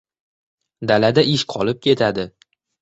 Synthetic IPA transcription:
d̪alad̪aʔɪʃqʰɒlɪp̚kʲe̞t̪ʰad̪ɪ

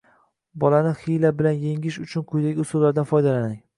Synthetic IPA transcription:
bɒlanɪχijlabɪlanjeŋɪʃʊt͡ʃʰʊnqʰʊjd̪aɡʲɪʊsulːaɾd̪anfɒjd̪alanɪŋ

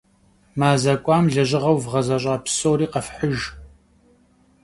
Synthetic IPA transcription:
maːzɐkʷʼɑːmɮɐʑɪʁɐwvʁɐzɐɕ̬ʷʼaːpsoːɾiːqɐfħəʒ

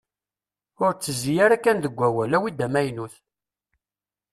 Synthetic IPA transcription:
ʊɾt͡sːəzijaɾækːænðəɡʷːæwælæwid̪æmæjnuθ

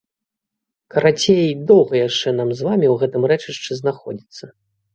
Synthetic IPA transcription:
kɐɾat͡sʲejid̪ɔwɣɐjaʂt͡ʂɛn̪amzvamʲiwɣɛt̪ɨmɾɛt͡ʂɨʂt͡ʂɛznaxɔ̰d͡zʲit̪sːɐ

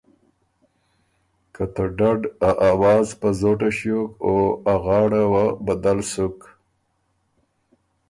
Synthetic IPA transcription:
kat̪aɖaɖaʔawɑːzpazoʈaʃjokoaɣɑːɽawabad̪alsʊk

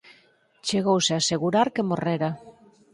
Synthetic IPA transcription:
t͡ʃeɣ̞owseaseɣ̞uɾaɾkemoreɾa

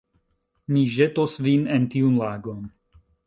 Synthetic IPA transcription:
niʒetosvinentiunlaːɡo̞n

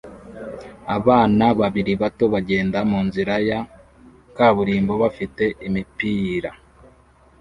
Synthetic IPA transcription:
aβaːnaβaβiɾiβato̞βaɟe̞ːndamuːnziɾaja | kaːβuɾiːmbo̞βafite̞ʔimipiɾa

